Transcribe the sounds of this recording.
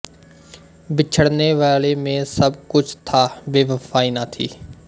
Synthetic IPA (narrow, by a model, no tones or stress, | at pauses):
bɪt͡ʃʰəɽneːʋaːleːmẽːsəbkʊt͡ʃʰt̪ʰaːʋeːʋəfʰaːiːnaːt̪ʰḭː